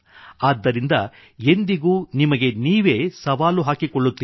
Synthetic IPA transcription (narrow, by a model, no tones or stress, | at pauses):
aːd̪ːɐɾind̪ɐ | e̞nd̪iɡuːnimɐɡe̞niːʋe̞ːsɐʋaːluɦaːkikoɭːut̪ːiː